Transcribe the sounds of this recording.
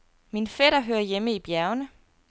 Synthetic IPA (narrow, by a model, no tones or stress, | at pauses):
minfeɾɐɦøːɐjeməib̥jæɐʊnə